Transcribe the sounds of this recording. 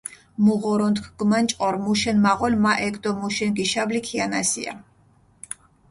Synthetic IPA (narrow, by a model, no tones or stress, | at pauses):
muʁɔɾɔnt̪kʰɡ̥mant͡ʃʼqʼɔɾmuʃɛnmaʁɔlmaʔɛkd̪ɔmuʃɛnɡiʃablikʰianasḭa̰